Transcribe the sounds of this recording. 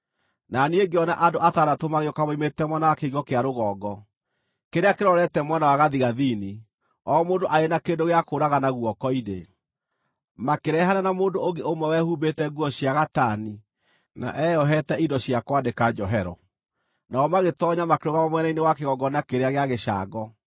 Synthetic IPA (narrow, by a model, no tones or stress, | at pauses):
nanieŋɡeɔnaʔadoʔatanatomaɣeɔkamaimetɛmwɛnawakeiɣɔkeaɾoɣɔːɡɔ | keɾeakeɾɔɾɛtɛmwɛnawaɣaðiɣaðini | ɔːmoːndoʔaɾenakeːndoɣeakoɾaɣanaɣuɔkɔine | makeɾɛɦananamoːndooŋɡeomɛwɛhubetɛɡwɔɕjaɣatani | na̰ʔɛɔɦɛtɛidɔɕiakwadekad͡ʒɔɦɛɾɔ̰ | naɔmaɣetɔɲamakeɾoɣamɔmwɛnainewakeɣɔɡɔnakeɾeaɣeaɣeɕa̰ɡɔ